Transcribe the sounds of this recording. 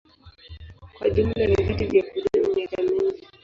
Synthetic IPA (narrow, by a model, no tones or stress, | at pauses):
kwa̰ʄum̩nanivitivjakuɗuɲakamiŋɡi